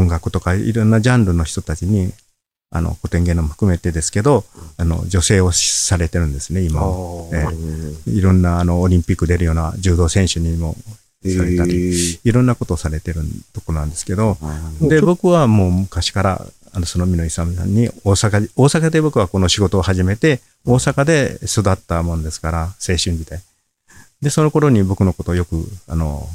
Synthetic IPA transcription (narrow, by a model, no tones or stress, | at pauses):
oŋɡakɯ̟t̪o̞kaḭɾõ̞nːad͡ʑãnɾɯ̟no̞çi̥t̪o̞t̪at͡ɕiɲ̟i | a̰no̞̰ko̞t̪ẽŋɡẽ̞nomoɸɯ̟̥kɯ̟me̞t̪e̞d̪e̞sɨ̥ke̞d̪o̞ano̞̰d͡ʑo̞se̞ːo̞ɕsaɾe̞t̪e̞ɾɯ̟̃nd̪e̞sɨne̞imaeːiɾõ̞nːaːno̞ːɾʲĩmpʲikːɯ̟d̪e̞ɾɯ̟jo̞ːnad͡ʑɨːd̪o̞ːsẽ̞ɰ̃ɕɨɲ̟imo̞̰ | saɾe̞t̪aɾiiɾõ̞nːako̞t̪o̞saɾe̞t̪e̞ɾɯ̟t̪o̞ko̞ɾo̞nãnd̪e̞sɨ̥ke̞d̪o̞d̪e̞bo̞kɯ̟βamo̞ːmɯ̟kaɕi̥kaɾa̰ | ano̞so̞nomʲinoisams̬ã̰ɲ̟ːioːsakao̞ːsakad̪e̞bo̞kɯ̟βako̞no̞ɕiɡo̞t̪o̞ːhaʑime̞t̪e̞ | o̞ːsakad̪esod̪at̪ːamõ̞nd̪e̞sɨ̥kaɾase̞ːɕɨ̃ɲd͡ʑid̪e̞ | d̪e̞so̞no̞ko̞ɾo̞ɲ̟ibo̞kɯ̟no̞ko̞t̪o̞ːjo̞kɯ̟̰ano̞̰